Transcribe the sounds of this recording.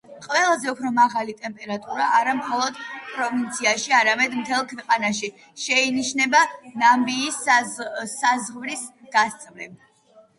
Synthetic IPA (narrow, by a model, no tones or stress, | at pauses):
qʼvɛlˠazɛupʰɾɔmaʁalit̪ʼɛmpʼɛɾat̪ʼuɾaʔaɾamχɔlˠɔd̪pʼɾɔvint̪sʰiaʃiaɾamɛd̪mt̪ʰɛlˠkʰvɛqʼanaʃi | ʃɛiniʃnɛbanambiːs | azʁvɾis | ɡ̥ast̪sʼvlɛb